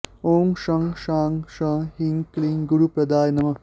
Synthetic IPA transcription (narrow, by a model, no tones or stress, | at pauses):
oːŋʃɐ̃ŋʃaːŋʃɐ̃hiŋkliŋɡuɽupɾɐd̪aːjnɐmɐ